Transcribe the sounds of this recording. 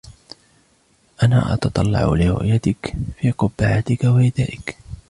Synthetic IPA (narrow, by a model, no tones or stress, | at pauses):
ʔana̰ːʔɑ̰t̪ɑt̪ˤɑlːɑ̰ʕʊ̰lɪɾʊ̰ʔjat̪ɪkfiːqʊbːaʕat̪ɪkawaʔɪd̪aːʔɪk